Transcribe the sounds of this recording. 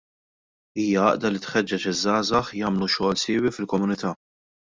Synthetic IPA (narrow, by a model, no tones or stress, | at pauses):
iːjɐɐ̰ʔd̪ɐlit̪ħɛd͡ʒːɛt͡ʃɪzːɐːzɐħjɐːmluʃɔːlsɪːwifɪlkɔmʊnɪt̪ɐː